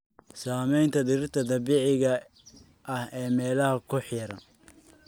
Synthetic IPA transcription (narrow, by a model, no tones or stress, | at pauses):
saːmɛjnt̪ʰɐd̪ɪɾɪt̪ʰɐd̪ɐbiːʕɪɣɐ | ʔɐhɛːmɛːlɐɦɐkʰʊħjɐɾɐn